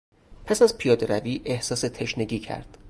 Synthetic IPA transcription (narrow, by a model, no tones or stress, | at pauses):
pʰæsæzpʰijɒːd̪eɾæviːʔe̞hsɒːse̞t̪ʰe̞ʃneɟiːcʰæ̰ɾd̪̥